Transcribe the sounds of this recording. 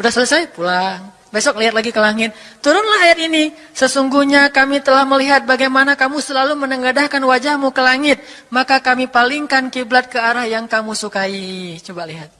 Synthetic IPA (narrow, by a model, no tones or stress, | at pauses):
udahsələsajpulaŋ | besɔk̚liɦat̪laɡikəlaŋɪt̪̚ːuɾʊnlaɦajat̪̚ini | səsuŋɡuhɲakamit̪əlahməliɦat̪̚baɡajmanakamusəlalumənəŋɡadahkanwad͡ʒahmukəlaŋɪt̪̚ | makakamipaliŋkankiblat̪̚kəaɾahjaŋkamusukait͡ʃobaliɦat̪̚